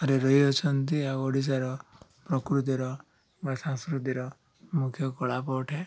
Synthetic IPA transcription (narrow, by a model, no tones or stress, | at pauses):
ɔɾeɾɔɦiɔt͡ʃʰɔnt̪iaɔɽis̬aɾɔpɾɔkɾut̪̬iɾɔ | basãŋskɾut̪iɾɔ | mukʰjɔkɔɭapɔʈʰe